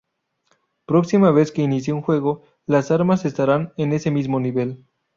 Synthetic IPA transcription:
pɾo̞ksimaβe̞ske̞inis̬jeunxwe̞ɣo | lasaɾmase̞st̪aɾanene̞se̞mizmo̞niβe̞l

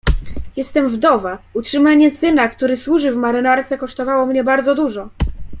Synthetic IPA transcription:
jɛst̪ɛmvd̪ɔvautʂɘmaɲɛsɘnakt̪uɾɘswuʐɘvmaɾɘnaɾt̪sɛkɔʂt̪ɔvawɔmɲɛbaɾd̪zɔd̪uʐɔ

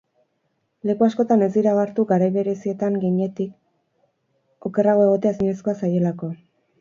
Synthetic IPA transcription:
le̞kuasko̞t̪ane̞zd̪iɾaaɾt̪uɡaɾajβe̞ɾe̞sie̞t̪aŋɡiɲe̞t̪ik | o̞ke̞raɣ̞o̞e̞ɣo̞t̪e̞asiɲe̞skoasaje̞lako̞

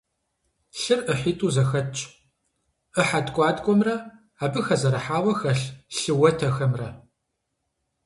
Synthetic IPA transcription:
ɬɨrɨħiːtʰʼuːzɐxɐt͡ʃʼ | əħadkʷʼɑːdkʷʼɔmrɐ | aːbɨxɐzɐɾɐħaːwɐxɐɬɬɨwɐtʰɐxɐmrɐ

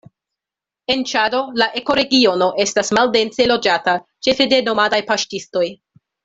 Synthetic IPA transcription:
e̞nt͡ʃado̞laʔe̞ko̞ɾe̞ɡio̞no̞ʔe̞stasmalde̞nt͡se̞lo̞d͡ʒata | t͡ʃe̞fe̞de̞no̞madajpaʃtisto̞j

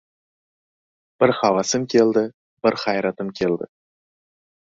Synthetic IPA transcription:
b̥ɪɾχɑvɑsəmkʲʰe̞lˠd̪ɪ | b̥ɪɾχɑjɾɑt̪əmkʲʰe̞ld̪ɪ̰

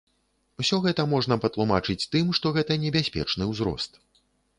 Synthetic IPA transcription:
wsʲɔɣɛt̪ɐmɔʐn̪ɐpɐt̪lˠumat͡ʂɨt͡sʲt̪ɨmʂt̪ɔɣɛt̪ɐnʲɛbʲasʲpʲɛ̰t͡ʂnɨwzɾɔ̰st̪

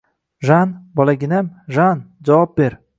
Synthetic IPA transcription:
ʒanbɒlˠaɡʲɪnamʒand͡ʒawɒp̚beɾ

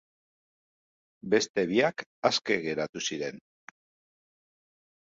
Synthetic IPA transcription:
be̞st̪e̞βiakaske̞ɣe̞ɾat̪usiɾe̞n

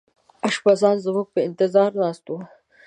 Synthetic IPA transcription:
aʃbazɑːnzmuɡ̚pəɪnt̪ɪzɑːɾnɑːst̪u

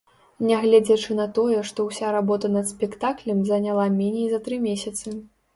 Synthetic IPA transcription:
nʲɛɣlʲɛd͡zʲɐt͡ʂɨnɐt̪ɔjɛʂt̪ɔwsʲaɾabɔt̪ɐnɐt̪spʲɛkt̪aklʲɐmzɐnʲalˠamʲɛnʲejzɐt̪ɾɨmʲesʲɐt̪sɨ

